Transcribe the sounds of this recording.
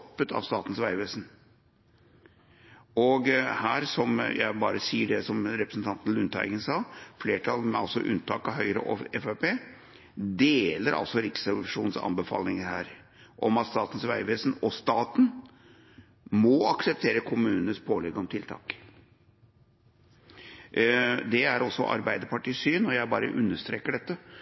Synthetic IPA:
pːət̪ʰɑ̰ʋst̪ɑːt̪n̩sʋæɪʋeːsn | ɔɡhæːɾsɔmjæ̰ɪbɑːɾəsiːəɖɛsɔmɾɛpɾəsn̩t̪ʰɑnt̪n̩lʉnt̪ʰæ̰ɪɡənsɑːfleːʈʰɑlmɛɑ̰lsɔ̰ʔʉ̰nːt̪ʰɑːkɑɦœʏɾə̰ʔɔ̰ɛfæpeː | d̪eːləɾʔɑ̰lsɔɾɪksɑʂuːnsɑ̰nbəfɑ̰ːlnɪŋəɾhæːɾ | ʔɔmɑt̪st̪ɑːt̪n̩sʋæɪʋeːsnɔst̪ɑːt̪n̩ | mɔɑksɛp̚t̪ʰeːɾəkʰʊmʉːnənəspʰoːlɛɡəɔmt̪ʰɪlt̪ʰɑ̰ːk | d̪ɛæɾɔsːɔʔɑ̰ɾbæɪd̪əpɑʈiːsyːnɔjæɪbɑ̰ːɾə̰ʔʉnːəʂt̪ɾeːkəɖɛt̪ːə

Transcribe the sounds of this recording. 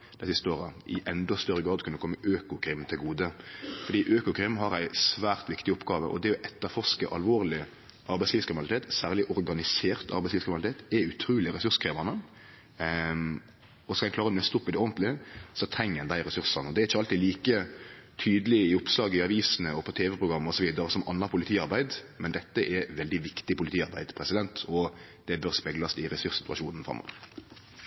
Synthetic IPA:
d̪̥æɪsɪst̪əoːɾɑʔɪ̰ʔɛnd̪ɔst̪œɾːəɡɾɑːd̪kʉnːəkʰɔmːəʔøːkʊkʰɾɪmt̪ʰɪlɡuːd̪əfɔɾd̪iːʔøːkʊkʰɾɪmɦɑɾæɪsʋæːʁt̪ʋɪkt̪ɪʊpːɡɑːʋə̰ʔɔ̰d̪ɛɔʔɛt̪ːəɾfɔʁʂkəʔɑlʋoːʁlɪ | ʔɑɾbæɪsliːskɾɪmnɑlɪt̪eːt̪sæːʁlɪʔɔɾɡɑnɪseːʁt̪ʰɑ̰ɾbæɪslːʋskɾɪmnlɪt̪ʰeːt̪ɛʉt̪ʰɾuːlɪɾɛsʉʁʂkɾeːʋɑnə | ɔskɑɛklɑːɾəɾɔnœst̪ʊpːɪd̪ɛoːnt̪lɪəsɔt̪ʰɾɛŋːənd̪æɪɾɛsʉɾsɑnɔd̪ɛæɾɪçːəɑlt̪iːd̪liːkət̪ʰyːd̪əlɪɪʊpslɑːɡɪɑʋiːsnəɔpʰɔt̪ʰeːʋɛpɾʊɡɾɑmːɔsɔʋiːd̪ɑɾəsɔmʔɑnːɑpʰʊlɪt̪ʰiːɑɾbæɪd̪mɛnd̪ɛt̪ːəʔɛʋɛld̪ɪʋɪkt̪ɪpʊlɪt̪iːɑɾbæɪd̪pʰɾɛsɪd̪ɛnt̪ʰɔ | d̪̥ɛbœɾspɛɡlɑsɪɾɛsʉɾsɪt̪ʉɑ̰ʃuːnn̩fɾɑ̰mːɔ̰ːʋə

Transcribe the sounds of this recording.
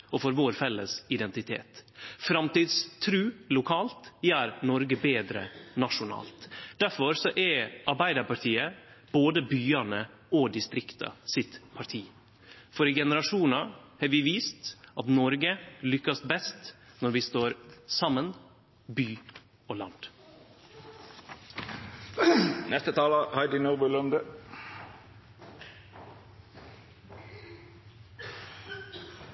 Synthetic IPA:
ɔfɔɾʋoːɾfɛlːəsɪd̪ɛnt̪ɪt̪ʰḛːt̪fɾɑmt̪iːd̪st̪ʰɾʉːlʊkʰɑːlt̪jæːɾnɔɾɡəbeːd̪ɾə̰nɑʂʊnɑ̰ːlt̪d̪̥æɾfɔɾsɔʔɛɾʔɑɾbæɪd̪əɾpɑʈʰiːə | b̥oːd̪əbyːɑnə | ɔd̪ɪst̪ɾɪkt̪ʰɑ̰sɪt̪pʰɑʈʰiː | fɔɾɪɡɛnəɾɑʂuːnɑhɑːɾʋɪʋiːst̪ɑt̪nɔɾɡəlʏkːɑsbɛst̪nɔɾʋiːst̪oːɾsɑmːən | byː | oːlɑ̰nd̪̥ | nɛst̪ət̪ʰɑːləhɑɪd̪ɪnuːbʉlœnd̪ə

